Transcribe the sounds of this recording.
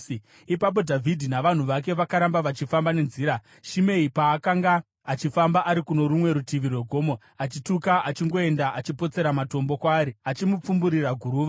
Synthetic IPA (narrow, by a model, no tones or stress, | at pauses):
ipap̬o̞dʱavʱidʱinaʋan̤uʋak̬e̞ʋakaɾambaʋat͡ʃifambane̞nziːɾa | ʃime̞ipaːkaŋɡaː | t͡ʃifambaʔaɾikuno̞ɾumwe̞ɾutiʋirweɡʱo̞ːmo̞ | at͡ʃitukaʔat͡ʃiŋɡo̞e̞ndaʔat͡ʃipo̞t͡se̞ɾamato̞mbo̞kwaːɾiat͡ʃimup͡fumbuɾiraɡʱuɾuːʋa